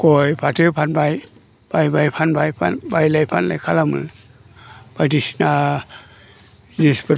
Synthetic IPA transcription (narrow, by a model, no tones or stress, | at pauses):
kɔjpʰatɯpʰanbaj | b̥ajbajpʰanbajpʰa̰nbajlajpʰanla̰jkʰalamɯ | b̥ajdisna | dispɯ